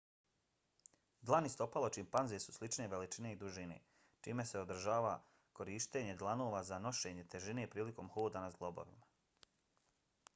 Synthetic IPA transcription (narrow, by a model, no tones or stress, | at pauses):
d̪lˠanist̪o̞palˠot͡ʃimpanze̞su̥slˠit͡ʃne̞ʋe̞lit͡ʃine̞id̪uʒine̞̰ | t͡ʃiːme̞se̞o̞d̪r̩ʒaːʋa | ko̞ɾiːʃt̪e̞ːɲe̞d̪lˠanoːʋazano̞ʃe̞ɲe̞t̪e̞ʒine̞pɾiːliko̞mxoːd̪anazɡlˠo̞bo̰ʋḭma